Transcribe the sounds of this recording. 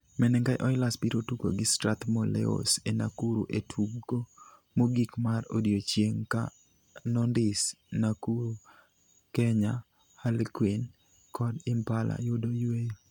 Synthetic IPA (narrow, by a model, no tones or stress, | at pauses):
mɛnɛŋɡajʔɔɪlaspiɾotuko̰ɡɪstɾat̪molɛ̰o̰sena̰kuɾṵʔetʰubɡo | moɡikmaro̰djot͡ʃjeŋka̰ | nɔndɪs | nakuɾu | kɛɲa | halkwin | kʰɔdɪmpalʔa̰jʊdoje